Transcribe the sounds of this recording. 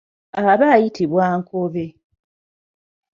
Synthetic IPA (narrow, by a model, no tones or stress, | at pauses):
aβaːjitʰiβwaːŋkʰoβe